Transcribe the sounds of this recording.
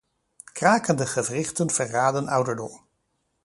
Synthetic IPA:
kraːkəndəχəvrɪχtənv̥ərːaːdənʌwdəɹdɔm

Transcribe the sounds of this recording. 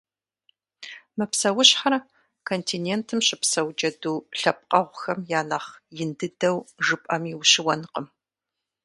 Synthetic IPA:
mɨpsɐwʊɕħar | kʰontʰinentʰɨmɕʼɪpsɐwd͡ʒɐduːɬɐp̚qʼɐʁʷʊxɐmjaːnɐχjɪndɨdɐwʒɨpʼɐmiwɕɪwɐnqəm

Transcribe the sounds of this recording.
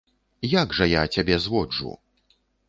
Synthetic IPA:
jaɡʐɐjat͡sʲabʲɛzvɔd͡ʐṵ

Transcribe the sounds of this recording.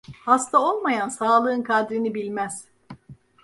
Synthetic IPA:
hast̪ʰao̞lˠmajansaːlˠɯːnkʰad̪ɾinibilʲmæz̥

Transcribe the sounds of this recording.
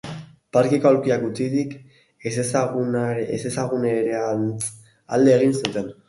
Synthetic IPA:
paɾkikaoɾkiakɡut͡siðik | essɣesesaɣuneɾea | a̰ld̪e̞ːɣ̞insut̪e̞n

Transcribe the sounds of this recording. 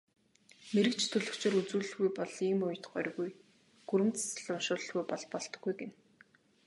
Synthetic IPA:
meɾɘ̆kt͡ɕʰt̪ʰɵɮɵ̆kt͡ɕeːɾut͡suːɮɘ̆ɣujpɔɮiːmʊj̆t̪ɢœɾʲɣuj | ɡ̥uɾɘ̆mt͡sḁs̆ɮʊnʃʊːɮə̆ɮɣujpɔɮpɔɮt̪ɞ̆ɡːujɡen

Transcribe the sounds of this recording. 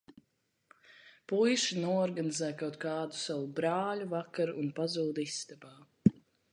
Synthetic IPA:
pujʃinuɔɔɾɡanizɛːkawt̪̚kaːd̪usawubɾaːʎʲuvakaɾunpazuːd̪ist̪abaː

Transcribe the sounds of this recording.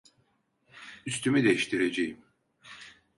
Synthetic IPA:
yst̪ʰymid̪ejiʃt̪ʰiɾed͡ʒejim

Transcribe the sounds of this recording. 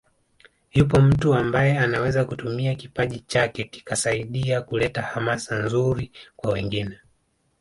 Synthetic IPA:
jupɔm̩tuambajɛanawɛzakutumiakipaʄit͡ʃakɛki̥kasaiɗiakulɛtahamasanzuɾikwawɛŋɡinɛ

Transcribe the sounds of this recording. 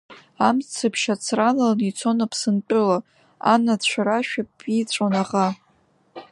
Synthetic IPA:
amt͡sʰɨpʰʃat͡sʰralalnit͡sʰonapʰsɨnt͡pʼɨla | a̰nadt͡ɕʷʰaɾaʃᶣapʼit͡ɕʷʼanaʁa

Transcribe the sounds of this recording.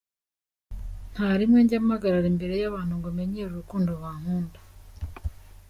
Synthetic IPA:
n̥haɾimweːɲɟamaɡaɾaɾembe̞ɾe̞jaβaːn̥uŋɡome̞ɲeɾuɾukuːndoβwaːŋ̥uːndḁ

